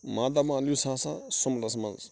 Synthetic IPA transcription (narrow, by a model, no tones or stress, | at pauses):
mad̪amãlusãsa̰somlasmã̰nz